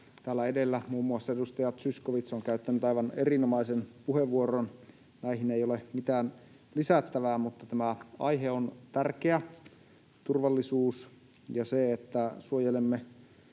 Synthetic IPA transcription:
t̪æːlːæedelːæmuːmːuɑsːɑedust̪ɑjɑt̪syskoʋit̪soŋkæyt̪ːænyt̪ɑiʋɑnerinomɑisenpuheʋːuoron | næihinejolemit̪æːn | lisæt̪ːæʋæːmut̪ːɑt̪æmæɑ̰iɦeont̪ærkeæ | t̪urʋɑlːisuːs | jɑseet̪ːæsuojelemːe

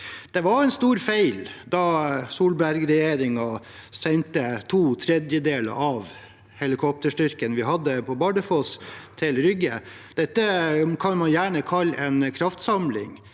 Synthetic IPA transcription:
d̪̥ɛʋɑɾɛɪnst̪uːɾfæɪld̪ɑsuːlbæɾɡɾɛjeːɾɪŋɑ | sɛnt̪ət̪ʰuːt̪ʰɾɛd̪jəd̪eːlə̰ɾɑʋ | hɛlɪkʰɔp̚t̪əʂʈʏɾkənʋɪɦɑd̪ːəpʰɔbɑɖəfost̪ʰɪlɾʏɡəd̪̥ɛt̪ːəkʰɑnmɑnjæːɳəkʰɑlːɛnkʰɾɑft̪sɑmlɪ̰ŋ

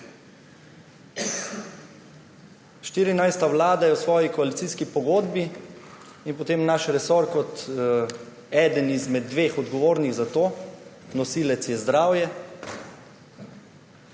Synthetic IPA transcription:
ʃt̪iːɾinajst̪aʋlaːd̪ajɛwsʋɔːjikɔalit̪siːskipɔɡoːd̪bi | inpɔt̪eːmnaʃɾɛsoɾkɔt̪ | ɛːd̪ənizmɛd̪̚ːʋexɔd̪ɡɔʋoːɾniɣzat̪oː | nɔsiːlɛt̪sjɛzd̪ɾaːwjɛ

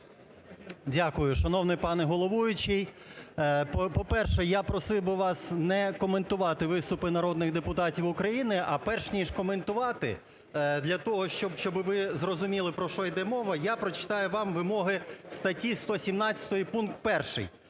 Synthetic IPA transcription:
dʲakʊjʊʃɐnɔwnɪpɑnɛɦɔlˠɔʋujʊt͡ʃɪj | ppɔpɛrʃɛjapɾɔsɪwbɪʋɑsnɛkɔment̪ʊʋɑt̪ɪʋɪst̪ʊpɪnɐɾɔd̪nɪɣd̪epʊt̪ɑtʲiwʊkɾɐjinɪʔɐpɛrʃnʲiʃkɔment̪ʊʋɑt̪ɪ̰ | d̪lʲɐt̪ɔɦɔʃt͡ʃɔbʃt͡ʃɔbɪʋɪzrɔzʊmʲilˠɪpɾɔʃɔid̪ɛmɔʋɐjapɾɔt͡ʃɪ̥t̪ɑjʊʋɑmʋɪmɔɦɪst̪ɐtʲist̪ɔsʲimnɑtt͡sʲɐ̥t̪ɔjipunk̚t̪̚pɛrʃɪ̰j

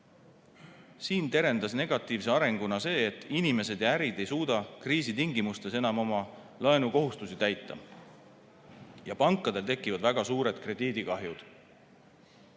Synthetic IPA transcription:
siːnt̪e̞ɾe̞nd̪̥ɑsne̞ɡ̥ɑt̪ːˑiːvse̞ɑɾe̞ŋɡ̥unɑse̞ːt̪ːˑinime̞se̞d̪jɑæɾid̪e̞jsuːd̪ɑkriːsit̪iŋɡimust̪e̞se̞nɑmo̞mɑ | lɑenuko̞ɦust̪usit̪æjt̪ːɑ̰ | jɑpɑŋkːˑɑd̪̥e̞lt̪e̞kːivɑd̪væɡ̥ɑsuːɾe̞d̪kre̞d̪̥iːd̪̥ikɑɦjud̪̥

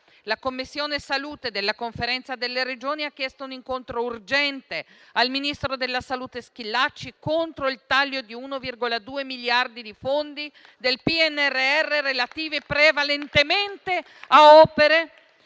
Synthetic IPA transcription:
lakomːisːjoːnesaluːt̪ed̪elːakoɱfeɾɛnt̪sad̪elːeɾed͡ʒoːniakːjɛst̪ouniŋkont̪ɾourd͡ʒɛnt̪ealminist̪ɾod̪elːasaluːt̪esk̟ilːat͡ʃːikont̪ɾoilt̪aʎːod̪iuːnovirɡolad̪uːemiljard̪id̪ifond̪i | d̪elpiɛnːɛrːeɛrːeɾelat̪iːvepɾevalent̪ement̪e | aɔːpeɾe

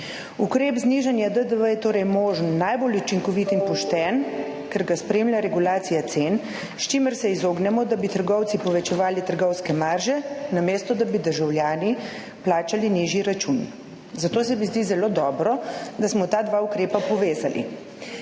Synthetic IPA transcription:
ukɾeːbzniʒanjad̪əd̪əʋəjɛt̪oːɾɛjmoːʒənːajbolut͡ʃiŋkɔʋit̪inpɔʃt̪ɛn | kɛɾɡaspɾeːmlʲjaɾɛɡulaːt̪sijat̪sen | st͡ʃiːməɾsɛizoːɡnɛmɔd̪abit̪əɾɡɔwt̪sipɔʋɛt͡ʃɛʋaːlit̪əɾɡɔwskɛmaɾʒɛnameːst̪ɔd̪abid̪əɾʒawljaːni | plaːt͡ʃaliniʒiɾat͡ʃun | zat̪oːs̬ɛmizd̪izɛloːd̪ɔːbɾɔd̪asmɔt̪aːd̪ʋaukɾeːpapɔʋeːzalʔḭ

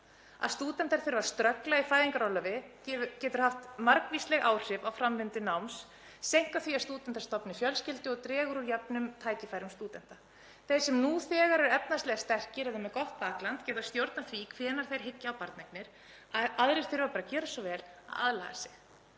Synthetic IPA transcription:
a̰ðst̪uːt̪ɛnt̪aɾ̥θʏɾvḁst̪ɾœklaifaːjðiŋkaɾawlːœvɪ | cɛːt̪ʏɾ̥haft̪maɾkvistlɛɣʔaːwr̥ɪvawfɾamvɪnt̪ɪnawms | sejŋ̥kaθviast̪uːt̪ɛnt̪aɾst̪ɔpnɪfjœlscɪlt̪ɪɔt̪ɾɛːɣʏɾuɾjɛpnʏmt̪ʰaːjcɪfaːjɾʏmst̪uːt̪ɛn̥t̪a | θej̥sɛmnuθɛːɣaɾɛɾɛpnastlɛɣast̪ɛr̥kcɪɾɛðʏmɛðkɔht̪̚paːklant̪cɛːt̪ast̪jowɾt̪naθviːkʰvɛːnaɾ̥θejɾ̥ɦɪcːɪawpaɾt̪nɛknɪɾ̥ | aðɾɪɾ̥θʏɾvapaːɾacɛːɾʏsɔvɛːla̰ða̰ðlaɣa̰sɪ̥x

